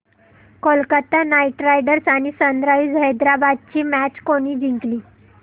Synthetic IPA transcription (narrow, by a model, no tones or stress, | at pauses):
kolkət̪anaiʈɾajɖəɾsaɽ̃isənd̪ɾaʋiːd͡zɦəjd̪ɾabad̪̚t͡ɕiːmæt͡ɕkoñiːd͡ʑiŋkliː